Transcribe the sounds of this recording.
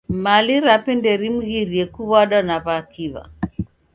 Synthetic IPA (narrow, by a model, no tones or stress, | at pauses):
maliɾapɛndɛɾim̩ɣiɾiɛkuβaɗɔnaβakiβa̰